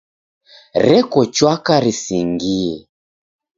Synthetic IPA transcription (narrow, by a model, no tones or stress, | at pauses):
ɾɛkɔt͡ʃwakaɾisiŋɡiɛ